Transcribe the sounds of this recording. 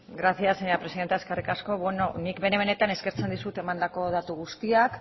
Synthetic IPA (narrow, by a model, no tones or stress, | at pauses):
ɡɾasiaseɲapɾesiðe̞nt̪eskerikasko̞βenonikbe̞ne̞βene̞t̪ane̞ske̞ɾt͡se̞nd̪isut̪e̞mand̪ako̞ðat̪uɣ̞ust̪iak